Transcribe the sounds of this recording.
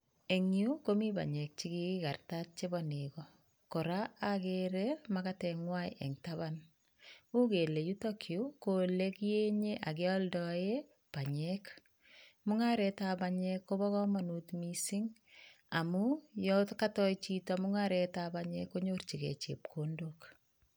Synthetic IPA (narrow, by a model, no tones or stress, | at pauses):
eŋjukomiba̰ɲɛk̚t͡ʃikiikartat̚t͡ʃebɔnekɔ | koɾaakeɾemakatɛŋwajʔɛ̰ŋtaβan | ukelejutokʰjukolekjeɲeʔakeɔldɔje | paɲɛk | mʊŋaɾɛtabaɲɛkːobɔkɔmanutmisiŋ | a̰mujɔtkatɔjt͡ʃitamuŋaɾetabaɲɛ̰kːoɲort͡ʃikḛt͡ʃep̚kʰondok